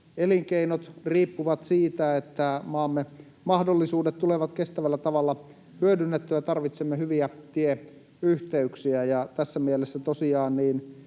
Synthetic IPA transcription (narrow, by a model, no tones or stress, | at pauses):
eliŋkeinot̪riːpːuʋɑt̪siːt̪æet̪ːæmɑːmːe | mɑhdolːisuːdet̪t̪uleʋɑt̪kest̪æʋælːæt̪ɑʋɑlːɑ | hyødynːet̪ːøjɑt̪ɑrʋit̪semːehyʋiæt̪ie | yht̪eyksiæjɑt̪æsːæmielesːæt̪osiɑːnniːn